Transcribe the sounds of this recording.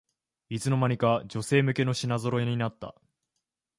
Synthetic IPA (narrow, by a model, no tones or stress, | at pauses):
it͡sɨno̞maɲ̟ikad͡ʑo̞se̞ːmɯ̟ke̞no̞ɕinazo̞ɾo̞eɲ̟inat̪ːa̰